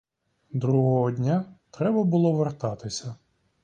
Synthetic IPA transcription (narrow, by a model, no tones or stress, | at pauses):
d̪ɾuɦɔɦɔdʲnʲat̪ɾɛbɐbʊlˠɔʋert̪ɑt̪ɪsʲɐ